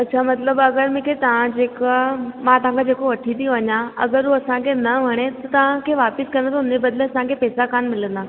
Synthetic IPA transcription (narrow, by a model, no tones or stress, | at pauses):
ɐtːɕʰaːmɐt̪ləbɐɡəɾmẽkʰet̪ɐʋ̤ãd͡ʑeːkamãt̪ɐʋ̤ãkʰed͡ʑeːkoʋɐʈʰĩt̪ijõʋɐɲãɐ̰ɡəɾɦuɐsãkʰenɐʋɐɽ̃et̪ɐt̪ɐʋ̤ãkʰeːʋaːpɪskɐ̃nd̪at̪ʰʊnd͡ʑebɐd̪ləɐsãkʰeːpɛːsakaːnmɪlə̃nd̪ãː